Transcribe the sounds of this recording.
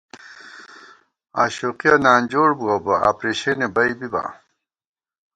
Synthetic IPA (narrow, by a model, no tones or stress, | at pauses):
aːɕoːqijɐnaːnd͡ʑoːɽbuɐbɐa̰ːpɾeɕenebɐibiba̰